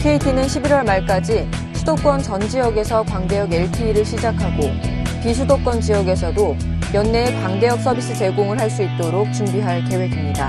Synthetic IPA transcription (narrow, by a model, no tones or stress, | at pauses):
kʰe̞itʰinɯnɕʰibiɾwʌɭmaɭk͈ad͡ʑi | sʰudok͈wʌnt͡ɕʌnd͡ʑijʌɡe̞sʰʌkwaŋde̞jʌɡe̞ɭpʰiːɾɯɭɕʰid͡ʑakʰaɡo | pisʰudok͈wʌnt͡ɕijʌɡe̞sʰʌdo | jʌnːe̞ːkwaŋde̞jʌk̚s͈ʰʌbis͈ʰɯt͡ɕe̞ɡoŋɯɭɦaɭs͈uit̚t͈oɾok̚t͡ɕumbiɦaɭke̞we̞ɡimɲida